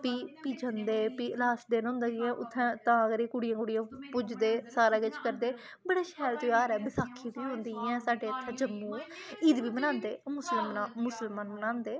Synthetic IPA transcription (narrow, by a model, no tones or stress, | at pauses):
piːpiːd͡ʒə̃nd̪eːpiːəlaːsd̪eːnõːnd̪aːjɛ̃ːʔʊt̪ʰːɛ̃ːt̪ãːəɡəɾiːkʊɽɪjãːkʊɽɪjãːpʊd͡ʒd̪eːsaːɾaːkɪt͡ʃkəɾd̪eː | bəɽaːʃɛːɾt̪ojaːɾɛːbɪsaːkʰːĩːb̪iːɦʊ̃nd̪iːɛ̃ːsaːɖeːət̪ʰːɛ̃ːd͡ʒəmːũː | iːd̪biːmənãːnd̪eːmʊsəlmnaːmʊsəlmaːnmənãːnd̪eː